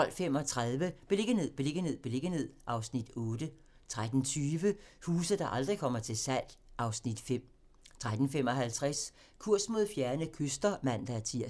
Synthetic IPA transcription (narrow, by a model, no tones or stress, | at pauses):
ɒ̽l̰fem̰ɒ̽t͡sʰʁað̞ˠʋəb̥ele̝ɡ̥əne̝ð̰ˠb̥ele̝ɡ̥əne̝ð̰ˠb̥le̝ɡ̥əne̝ð̰ˠʔɑ̈ʊsnid̥ɔ̽ːd̥ə | t͡sʰʁad̥n̩t͡sʰyːʋəhuːsðˠd̥ɑ̈ʔɑ̈ld̥ʁikʰɒ̽m̰ɐt͡sʰe̝lsæl̰ʔɑ̈ʊsnid̥fem̰ | t͡sʰʁad̥n̩fem̰ɒ̽hælt͡sʰʁas | kʰuɐ̰smo̝ð̰ˠfjæɐnəkʰøsd̥ɐmæn̰d̥ɑ̈æɐt͡sʰiɐ̰